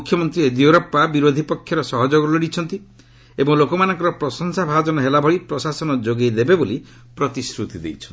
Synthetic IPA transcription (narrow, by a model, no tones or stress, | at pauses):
ukʰːjɔmɔnt̪ɾied̪ioɾɔpːabiɾod̪ʱipɔkʰːjɔɾɔsɔɦɔd͡ʒoɡɔlɔɽit͡ʃʰɔnt̪i | ebɔŋlokɔmanɔŋkɔɾɔpɾɔsɔŋsabʱad͡ʒɔnɔɦelabʱɔɽipɾɔsasɔnɔd͡ʒoɡejd̪ebeboli | pɾɔt̪isɾut̪id̪ḛjt͡ʃʰɔnt̪i